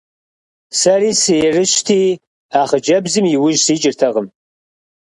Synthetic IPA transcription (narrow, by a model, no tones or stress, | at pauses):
sɐriːsɨjɛrɨɕtʰiː | aːχəd͡ʒɐbzɨmjɪwʊʒsiːt͡ʃʼɪrtʰɐʁəm